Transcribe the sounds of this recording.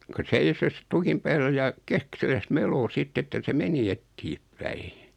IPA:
ku seisos tukim pæːlːæ jɑ keksilæs meloː sitː etːæ se meni etːiepːæi

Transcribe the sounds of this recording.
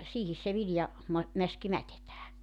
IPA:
siːhis se ʋiljɑ mɑ mæski mætetæː

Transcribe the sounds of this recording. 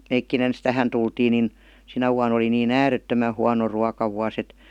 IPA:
meikːin ens tæhæn tultiːn nin sinæ ʋuɑn oli niːn æːretːømæ huɑno ruɑkɑʋuɑs et

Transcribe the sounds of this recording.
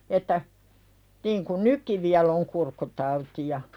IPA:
etːæ niːŋkun nykːi ʋiælˑ oŋ kurkːutɑutijɑ

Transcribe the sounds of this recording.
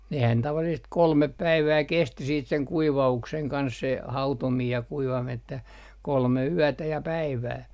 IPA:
nehæn tɑʋɑlːisest kolmep pæiʋæː kesti siːt seŋ kuiʋɑukseŋ kɑns se hɑutomiːj jɑ kuiʋɑmin etːæ kolme yætæ jɑ pæiʋæː

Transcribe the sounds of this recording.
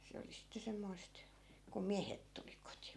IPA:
se oli sitːe semːoist kum miæhet tuli koti̥

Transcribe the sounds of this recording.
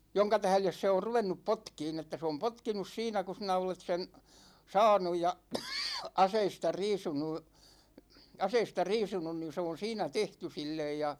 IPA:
joŋkɑ tæhles se or ruʋenːup potkiːn etːæ se om potkinus siːnæ ku sinæ olet sen sɑːnuj jɑ ɑseistɑ riːsunu ɑseistɑ riːsunun ni se on̞ siːnæ tehty silːej jɑ

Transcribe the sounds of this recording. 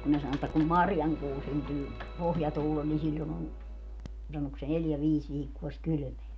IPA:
kun ne sɑno etːæ kum mɑrjɑŋkuː syntyː pohjɑtuːlel ni silʲːon on sɑnok se neljæ ʋiːs ʋiːkːuo sik kyly̆meæ

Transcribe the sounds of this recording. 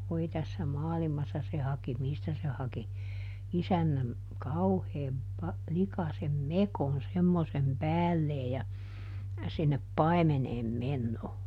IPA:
ʋoi tæsːæ mɑːlimɑsːɑ se hɑki mistæ se hɑki isænːæm kɑuheːm pɑ likɑsem mekon semːosem pæːlːeː jɑ sinːep pɑi̯meneːm menːoː

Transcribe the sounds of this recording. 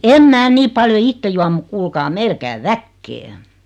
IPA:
em mæː niː pɑljo itːe juɑm muk kuːlkɑː meil kæy ʋækːeː

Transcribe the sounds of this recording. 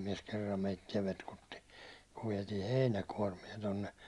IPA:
miɛs kerːɑm meitːiɛ petkutːi kuʋ ʋiɛtiː heinækuɒrmie tonːe

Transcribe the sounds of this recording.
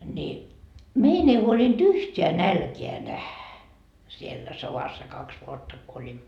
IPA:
ni mein ei huolint yhteæ nælkeæ næhæ sielːæ soʋɑsːɑ kɑks ʋuotːɑ ko olʲimːo

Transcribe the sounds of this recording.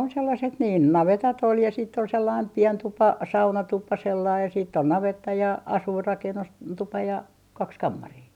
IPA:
on selːɑset niːn nɑʋetɑt ol jɑ siːtː ol selːɑim pien tupɑ sɑunɑtupɑ selːɑi jɑ siːtː on nɑʋetːɑ jɑ ɑsuirːɑkenːus tupɑ jɑ kɑks kɑmːɑriː

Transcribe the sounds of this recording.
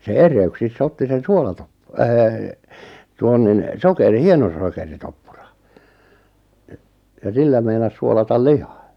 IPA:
se erˑeyksisː otːi sen suolɑtop øː tuon nin sokeri hienosokeritopːurɑ̥ e jɑ silːæ meinɑs suolɑtɑl lihɑ̥

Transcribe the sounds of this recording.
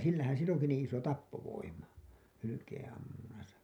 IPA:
silːæhæn silː oŋki niːĩ iso tɑpːoʋoimɑ hylykeːẽɑmːunːɑsɑ

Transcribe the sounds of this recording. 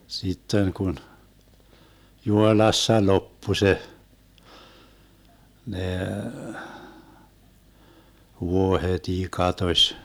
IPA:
sitːen kun juhoĭlɑsːɑ lopːu se neː ʋuohetʲiː kɑtosʲ

